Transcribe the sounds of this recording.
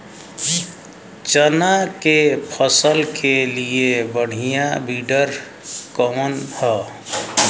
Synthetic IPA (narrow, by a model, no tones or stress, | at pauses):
t͡ʃənakepʰəsəlkʰeliebəɽ̤ijabiɖəɾ | kəmənhə